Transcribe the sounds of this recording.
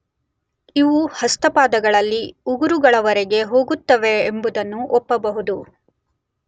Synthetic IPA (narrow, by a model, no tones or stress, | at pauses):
iʋuhɐst̪ɐpaːd̪ɐɡɐɭɐlːiuɡuɾuɡɐɭɐʋɐɾɛɡe̞ɦo̞ːɡut̪ːɐʋe̞ːmbud̪ɐnːuʔɔpːɐbɐɦud̪u